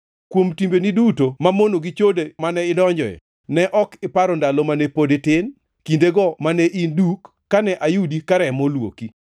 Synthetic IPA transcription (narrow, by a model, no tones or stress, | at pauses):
kwomtimbenidutomamonoɡit͡ʃodemanɛɪdɔɲd͡ʒɔjɛ̰ | nɛʔɔkɪpaɾɔndalɔmanɛpodetɪn | kindeɡɔmanɛʔindukːanɛʔajudikaɾɛmolwo̰ki